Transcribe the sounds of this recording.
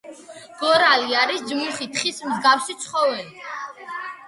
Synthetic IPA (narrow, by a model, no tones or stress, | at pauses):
ɡ̥ɔɾaliaɾisdd͡ʒmuχit̪ʰχismzɡafsit̪sʰχɔvɛli